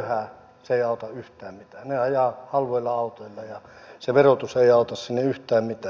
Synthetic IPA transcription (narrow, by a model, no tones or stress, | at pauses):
hæ | seeiɑˑot̪ɑyht̪æːmmit̪æːneɑjɑhɑlʋoilːɑɑut̪oilːɑjɑseʋerot̪useiɑut̪ɑssinːeyht̪æːmmit̪æː